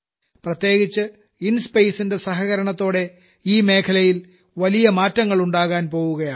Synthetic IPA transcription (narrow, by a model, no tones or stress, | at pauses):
prɐt̪je̞ːɡit͡ɕːɨ | inspejsinde̞sɐɦɐɣɐɾɐɳɐt̪ːo̞ːɽe̞ | iːme̞ːkʰɐlɐjil | ʋɐlijɐmaːtːɐŋːɐɭuɳɖaːɣaːnpo̞ːwuɣɐjaː